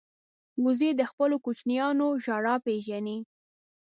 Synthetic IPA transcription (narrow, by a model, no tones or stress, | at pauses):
ɡʊzed̪əxpəlokut͡ʃnjɑnoʒɑɽɑpeʒani